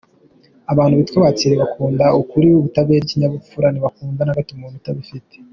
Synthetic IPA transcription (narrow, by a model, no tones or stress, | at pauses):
aβaːn̥huβitwaβat͡siɾeβakuːndaukuɾiuβutaβebɟiɲaβufuɾaniβakuːnvanhaɡatiumumitaβifite̥